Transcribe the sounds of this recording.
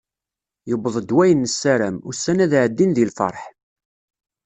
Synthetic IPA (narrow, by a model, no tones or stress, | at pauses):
jəbəðˤəd̪wæjənːəsːæɾæmʊsːænæðʕəd̪ːinðilfɑ̰ɾˤħ